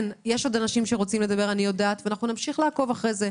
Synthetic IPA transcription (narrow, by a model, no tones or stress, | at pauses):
njeʃo̞d̪anaʃimʃeʁot͡simle̞d̪abe̞ʁanijo̞daːt̪veanaχnunamʃiχlaako̞vaχʁeze